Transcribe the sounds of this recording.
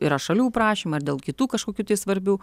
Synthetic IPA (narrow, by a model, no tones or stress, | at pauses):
ɪɾɐʃɐlʲuːpɾɑːʃʲiːmɐɐrd̪ʲeːlˠkʲɪt̪uːkɐʃkoːkʲuːt̪ɐɪsʋɐɾʲbʲuː